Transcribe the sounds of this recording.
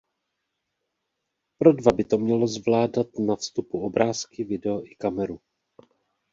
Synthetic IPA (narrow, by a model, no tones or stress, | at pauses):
pɾo̞dvabɪt̪o̞mɲɛlo̞zvlaːdat̪nafst̪upuo̞bɾaːskɪvɪdɛoʔɪkamɛɾu